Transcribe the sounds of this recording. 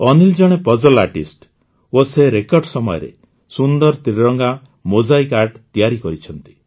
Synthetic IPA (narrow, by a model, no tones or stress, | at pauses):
ɔnild͡ʒɔɽ̃epɔd͡ʒɔlaɾʈisʈ | oseɾekɔɾɖsɔmɔjɔ̰ɾḛ | sund̪ɔɾt̪ɾiɾɔŋɡa | mod͡ʒajkaɾɖt̪ijaɾikɔɾit͡ʃʰɔnt̪i̥